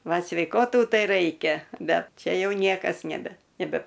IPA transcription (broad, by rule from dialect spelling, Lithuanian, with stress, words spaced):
ˈʋɐ sʲʋʲɛɪˈkoːtuː ˈtɐɪ ˈrɐɪkʲɛ ˈbʲɛt ˈt͡ʃʲɛ ˈjɛʊ ˈnʲiɛkɐs nʲɛˈbʲɛ nʲɛˈbʲɛ